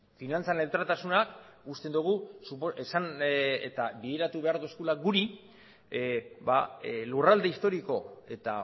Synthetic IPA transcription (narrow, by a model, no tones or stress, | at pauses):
finant͡sanelt̪ɾat̪asunakust̪e̞nd̪uɣ̞usupoesanḛt̪abiðeɾat̪uβe̞aɾðue̞skulaɡuɾi | balurald̪e̞ist̪o̞ɾiko̞e̞t̪a